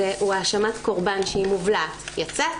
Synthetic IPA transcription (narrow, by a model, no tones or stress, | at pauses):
eʔuaːʃamatkoʁbanʃeimuvlatjat͡sa